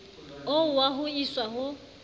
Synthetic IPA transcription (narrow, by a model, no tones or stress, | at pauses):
owaɦʊiswaɦʊ